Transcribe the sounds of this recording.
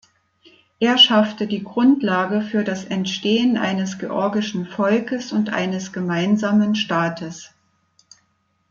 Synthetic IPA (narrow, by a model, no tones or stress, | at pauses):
ʔeːɐʃaftədiːɡʁʊntlaːɡəfyːɐdasʔɛntʃteːənʔa̰ɪnəsɡ̥eʔɔɐɡɪʃn̩fɔlkəsʊntʔa̰ɪnəsɡ̥əmaɪnzaːmənʃtaːtʰəs